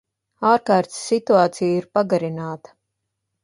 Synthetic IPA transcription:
aːɾkaːɾt̪sːit̪uaːt̪sijiɾpaɡaɾinaːt̪ɐ̥

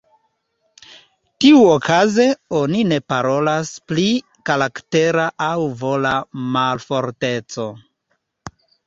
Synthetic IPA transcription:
tiuokʰaze̞o̞nine̞paɾo̞laspli | kaɾakte̞ɾaʔawvo̞lamalfo̞ɾte̞t͡so̞

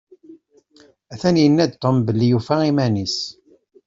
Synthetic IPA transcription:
æθænjənːæd̪t̪ombəlːijufaimænis

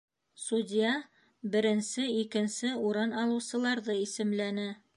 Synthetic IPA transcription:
sudʲijɑ | bɘ̆ɾɘ̆nsɘikɘ̆nsɘuɾɤnɑlˠɤ̆wsɤ̆lˠɑɾðɤisɘ̆mlænɘ

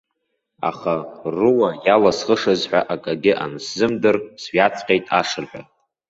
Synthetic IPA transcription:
a̰χarɨwajalasχəʂazħʷᶣaʔakʼaɡʲɪʔa̰nszɨmdɨrsɥat͡sʰʼqʲʼejtʼa̰ʂɨrħʷᶣa

